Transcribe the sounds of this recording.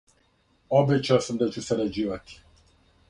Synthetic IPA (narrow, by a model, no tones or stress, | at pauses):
obɛt͡ɕaosamd̪at͡ɕusɛɾad͡ʑiːʋat̪i̥